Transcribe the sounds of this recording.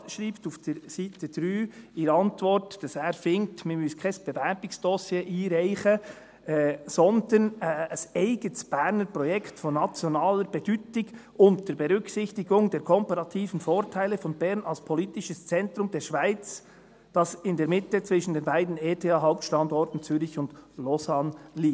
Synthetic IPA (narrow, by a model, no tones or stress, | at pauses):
ʃɾiːptufd̥ɛɾsiːtəd̥ɾyːiːɾəɑntvɔɾtd̥ɑsɛːɾfɪŋtmimʏskʰaɪsb̥ɛvɛɾb̥ɪksd̥ɔsjeːʔiːɾaɪçə | ɛsɔndənɛəsɛɪɡ̥ətsb̥ɛɾnəɾpʁɔjɛktfɔnːɑt͡sjonɑːləɾb̥ɛd̥yːtɪɡʔʊntəɾbɛɾʏksɪçtɪɡʊŋdeːɾkʰɔmpɑɾɑtʰiːvən̩foːɾtʰaɪləfɔnbɛɾnɑlspʰɔliːtɪʃəst͡sɛntɾʊmdeːɾʃv̥aɪt͡s | d̥ɑsɪndeːɾmɪtət͡sv̥ɪʃn̩deːnbaɪdn̩eːtʰeːɑːɦaʊp̚tʃtɑndɔɾtn̩t͡syːɾɪçʊnd̥lɔzanliː